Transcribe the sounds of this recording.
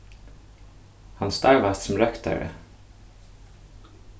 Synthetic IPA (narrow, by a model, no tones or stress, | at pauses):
hɑnst̪ɑɹʋæssm̩ɾœkt̪œ̰ɹə̰